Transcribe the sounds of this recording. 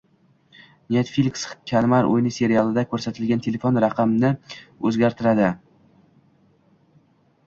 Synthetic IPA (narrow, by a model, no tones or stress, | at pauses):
nʲet̪filʲkskʲʰalmaɾo̰jnɪse̞ɾijalˠɪd̪akʰɵɾsat̪ʰɪlɡʲant̪ʰe̞le̞fonɾaqʰɑmnɪɵzɡʲaɾt̪ʰɪɾad̪ɪ